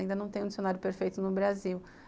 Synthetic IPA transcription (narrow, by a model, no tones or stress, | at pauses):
ĩnd̪ɐnɐ̃w̃t̪ẽj̃d͡ʒisjonaɾjʊpeɾfejt̪ʊnʊbɾaziw